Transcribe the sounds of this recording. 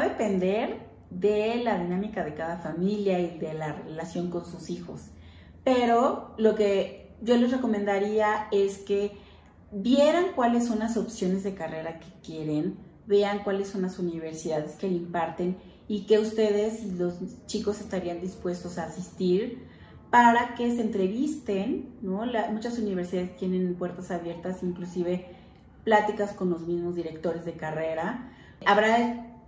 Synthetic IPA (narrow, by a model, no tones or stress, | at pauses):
oðepe̞nd̪e̞ɾ | ðe̞laðinãmikaðe̞kaðafamiljaiðe̞larelasjo̞ŋko̞nsusixo̞s | pe̞ɾo̞lo̞ke̞ | ɟ͡ʝo̞le̞zre̞ko̞mẽnd̪aɾiae̞ske̞ | bje̞ɾaŋkwale̞s̬ːo̞nlaso̞psjo̞ne̞zðe̞kare̞ɾake̥kje̞ɾe̞n | be̞aŋkwalesːo̞nlasuniβ̞e̞ɾsiðaðe̞ske̞limpaɾt̪e̞n | ike̞ust̪e̞ðe̞silo̞st͡ʃiko̞se̞st̪aɾiand̪ispwe̞st̪o̞saːsist̪iɾ | paɾake̞se̞ːnt̪ɾe̞βist̪e̞nːolamut͡ʃasuniβeɾsiðaðest̪je̞nẽ̞npwe̞ɾt̪asaβje̞ɾt̪asiŋklusiβe̞ | plat̪ikasko̞nlo̞zmizmo̞zðiɾe̞kt̪o̞ɾe̞zðe̞kare̞ɾa | ʔaβɾa